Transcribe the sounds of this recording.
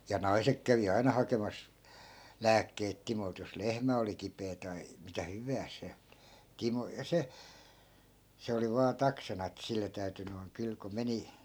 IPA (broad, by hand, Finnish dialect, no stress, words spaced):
jɑ nɑi̯sek kæʋi ɑinɑ hɑkemɑs læːkːeit timolt jos lehmæ oli kipeː tɑi mitæ hyʋæːs se timo jɑ se se oli ʋɑː tɑksɑnɑ et silːe tæyty noi̯ŋ kyl ko meni